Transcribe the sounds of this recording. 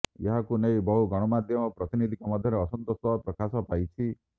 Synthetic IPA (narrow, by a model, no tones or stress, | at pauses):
jeɦakunejbɔɦuɡɔɽ̃ɔmad̪ʱjɔmɔpɾɔt̪inid̪ʱikɔmɔd̪ʱjɔɾeɔsɔnt̪ɔsɔpɾɔkasɔpajt͡ʃʰi